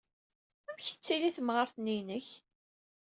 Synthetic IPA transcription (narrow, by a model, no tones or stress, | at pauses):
æmçə̥t͡sːiliθəmʁəɾθninəç